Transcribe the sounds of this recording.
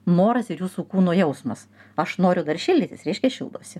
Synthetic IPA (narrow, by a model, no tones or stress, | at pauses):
noːɾɐsɪɾjuːsuːkuːnoːjɛʊsmɐs | ɐʃnoːɾʲʊd̪ɐrʃʲɪlʲdʲɪt̪ʲɪsɾʲɛɪʃʲkʲɛʃʲɪlˠd̪o̰ːsʲɪ